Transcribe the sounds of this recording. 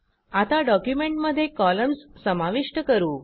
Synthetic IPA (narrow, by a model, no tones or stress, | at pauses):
at̪aɖɔkjumeɳʈməd̪ʱːjekɔləmssəmaʋiʂʈəkəɾuː